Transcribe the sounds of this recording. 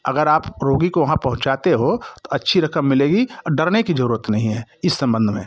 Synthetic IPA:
ɐ̰ɡəɾaːpɾoːɡikoʋɐɦãpɐɦʊ̃t͡ʃaːt̪eɦot̪oɐtːʃʰiɾɐkəmːɪleːɡiɔɖɐɾnekizɐɾuːɾət̪nɐɦĩɦɛːɪsːɐ̃mbə̃nd̪ʱmḛ̃ː

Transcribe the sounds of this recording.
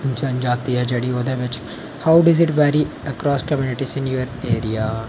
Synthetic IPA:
d͡ʒɐ̃nd͡ʒaːt̪iɦɛd͡ʒɐɽioːd̪ɐʋɪt͡ʃ | haːʊɖɐzɪʈʋɛːɾi | ɐkɾɔːskɐmjuːnɪʈisɪ̃njuːəɾeːɾija

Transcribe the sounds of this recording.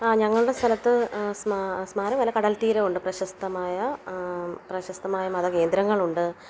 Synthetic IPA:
aːɲɐŋːɐɭuɽe̞st̪ʰɐlɐt̪ːɨsmasmaːɾɐmʋɐlɐkɐɽɐlt̪iːɾeuɳɖɨprɐɕɐst̪ɐmaːjɐ | prɐɕɐst̪ɐmaːjɐmɐðɐke̞ːnd̪ɾɐŋːɐɭuɳɖɨ

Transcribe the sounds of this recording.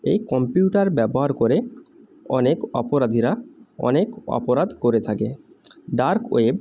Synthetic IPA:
ejkɔmpjuʈaɾbɛboɦaɾkoɾe | ɔnekɔpoɾad̪ʱiɾaɔ̰nekɔ̰poɾad̪ʱkoɾet̪ʰake | ɖaɾko̰eb

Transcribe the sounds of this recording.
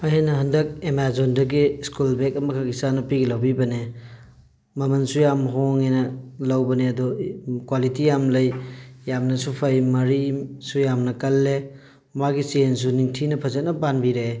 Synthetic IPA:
ɐjenɐɦɐndɐk̚emazondɐɡiskulbekɐmɐkʰaɡisanɐpiɡilɐwbibɐne | mɐmɐnsujamɦoŋenɐlɐwbɐneɐdukwalitijamlɐjjamnɐsupʰɐjmɐɾisujamnɐkɐlːe | maɡisiens̬uniŋtʰinɐpʰɐzɐt̚nɐbanbiɾe

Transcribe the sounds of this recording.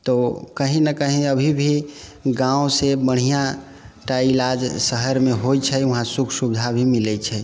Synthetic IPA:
t̪ɔkəɦĩnəkəɦĩəbʱibʱiɡãũsebəɽ̤ija | ʈailad͡ʒsəɦəɾmeɦojt͡ʃʰɛuɦãsukʰsubd̪ʱabʱimilɛt͡ʃʰɛ

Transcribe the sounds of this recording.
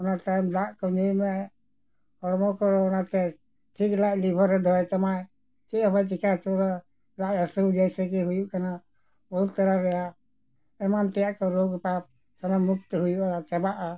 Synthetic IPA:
ɔnaʈ̪ajmlaʔkɔɔjmɛ | ɔɽmɔkɔɾɔnat̪ɛ | ʈʰiklaʔlibʱəɾɛd̪ʱɔjt̪amaj | t͡ʃɛəbajt͡ʃikat͡ʃɔɾɔ | laʔəsəd͡ʒajsɛkɛɦujuʔkana | bɔlt̪aɾaɾɛja | ɛmant̪ɛjaʔkɔɾoɡpap̚ | sanamːuk̚t̪ɦujuʔat͡ʃɛbaʔa

